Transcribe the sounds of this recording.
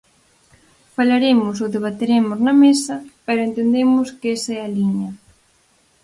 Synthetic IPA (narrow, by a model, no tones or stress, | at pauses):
falaɾemʊs̬oðeβ̞at̪eɾemʊznɐmesɐpɛɾʊent̪end̪emʊskesɛaliɲɐ